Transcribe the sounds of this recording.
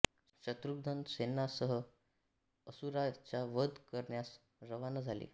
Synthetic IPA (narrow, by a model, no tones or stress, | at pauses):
ɕət̪ɾuɡ̚d̪ʱənsenːasəɦə | əsuɾat͡ɕjaʋəd̪kəɾɳjas | ɾəʋanad͡zʱalḭː